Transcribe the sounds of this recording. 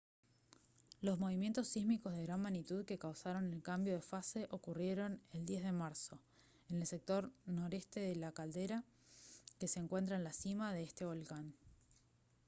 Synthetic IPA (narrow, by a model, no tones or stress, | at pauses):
lo̞zmo̞β̞imje̞nt̪o̞sːizmikozð̞e̞ɣɾanmanit̪uðke̞kawsaɾo̞ne̞lkambjo̞ð̞e̞fase̞ʔo̞kurje̞ɾo̞neld̪je̞zðe̞maɾso̞ | ene̞lse̞k̚t̪o̞ɾno̞ɾe̞st̪e̞ðelakald̪e̞ɾa | ke̞se̞ːŋkwe̞nt̪̬ɾaenlasimað̞eest̪e̞β̞o̞lkan